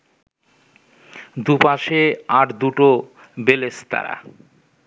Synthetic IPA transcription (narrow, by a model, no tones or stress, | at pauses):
d̪upaʃeaɾd̪uʈo | belest̪a̰ɾa̰